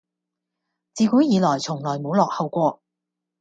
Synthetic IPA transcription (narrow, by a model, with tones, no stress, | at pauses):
t͡siː˧kuː˨˥jiː˨˧lɔː˨˩jt͡sʰʊ˨˩ŋlɔː˨˩jmo˨˧wlɔː˨k̚hɐ˨˧wkʷɔː˧